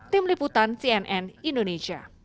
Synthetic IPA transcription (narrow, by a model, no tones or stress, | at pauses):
t̪ɪmliput̪ansiɛnʔɛnindonesia̰